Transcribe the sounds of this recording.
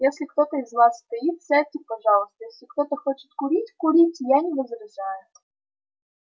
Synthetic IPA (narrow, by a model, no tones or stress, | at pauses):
jɛsʲlʲixt̪ɔt̪ɐizʋɑsst̪ɐjit̪̚sɛtʲik̚pɐʒɑlˠʊst̪ɔjɛsʲlʲixt̪ɔt̪ɐxɔt͡ʃɪ̥tʲkʊɾʲitʲkʊɾʲitʲjanʲiʋɔzɾɐʒajʊ